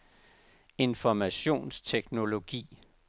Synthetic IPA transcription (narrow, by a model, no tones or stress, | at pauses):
e̝nfɒmæɕo̝̰ːnst͡sʰeɡ̥no̝lo̝ɡ̥ḭː